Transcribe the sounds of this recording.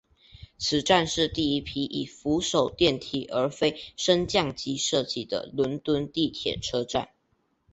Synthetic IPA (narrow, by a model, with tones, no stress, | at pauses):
t͡sʰɹ̩˨˩ʈ͡ʂa˥˧nʂɻ̩˥˧t̪i˥˩i˥pʰi˥ʔi˨˩fu˧˥ʂo˨˩ʊt̪jɛ˥˩nt̪ʰḭ˨˩ʔə˞˧˥fe˥ɪʂə˥nt͡ɕjɑ˥˨ŋt͡ɕi˥ʂɤ˥˧t͡ɕi˥˩d̪ə̰˨˩lwə˧˥nt̪wə˥nt̪i˥˩t̪ʰjɛ̰˨˩ʈ͡ʂʰɤ˥ʈ͡ʂa̰˥˩n